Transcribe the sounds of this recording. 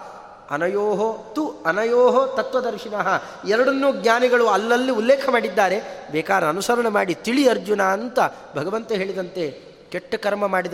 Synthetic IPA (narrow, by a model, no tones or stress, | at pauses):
ɐ̰nɐjoːɦot̪uɐnɐjoːɦot̪ɐt̪ʋɐd̪ɐɾʂinɐɦɐ | ɛɾɐɽɐnːuːɡɲaːniɡɐɭuɐlːɐlːiulːɛːkʰɐmaːɽid̪ːaːɾe̞bɛːkaːɾɐɐnusɐɾɐɳɐmaːɽit̪iɭiɐɾd͡ʒunaːɐnt̪ɐ | bʱɐɡɐʋɐnt̪ɐɦe̞ːɭid̪ɐnt̪e̞ | keʈːɐkɐɾmɐmaːɽid̪